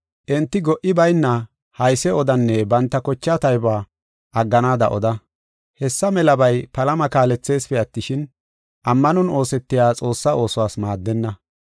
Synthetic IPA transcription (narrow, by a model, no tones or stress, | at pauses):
ʔɛnt̪ːɪɡɔʔɪbɐjnːɐ | hɐjsɛɔd̪ɐnːɛbɐnt̪ːɐkɔt͡ʃːat̪ɐjbaː | ʔɐɡːɐnaːd̪ɐ̰ʔɔd̪ɐ | hɛsːɐmɛlɐbɐjpɐlɐmɐkaːlɛt͡sːe̞ːspɛɐt̪ːɪʃɪn | ʔɐmːɐnɔno̞ːsɛt̪ːɪjaːt͡sʼo̞ːsːɐo̞ːsʊwaːsmaːd̪ːɛnːɐ